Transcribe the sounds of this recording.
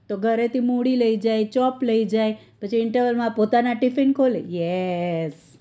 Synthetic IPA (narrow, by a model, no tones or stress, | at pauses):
t̪oɡʱəɾet̪ʰimuɽiləid͡ʒajt͡ʃɔpləid͡ʒaj | pət͡ʃʰiɪɳʈəɾʋəlmãpot̪anaʈɪfɪnkʰolḛjɛs